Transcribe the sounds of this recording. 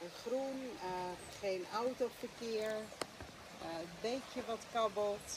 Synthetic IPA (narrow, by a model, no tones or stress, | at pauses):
əχrun | χejnawtofəkɪɹ | bejkjəʋɑtkɑbəlˠt